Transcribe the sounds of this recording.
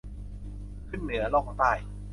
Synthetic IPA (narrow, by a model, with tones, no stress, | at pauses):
kʰɯ˥˩nnɯ˩˦ɐlɔː˥˩kʰɔː˨˥ŋt̪aː˥˩j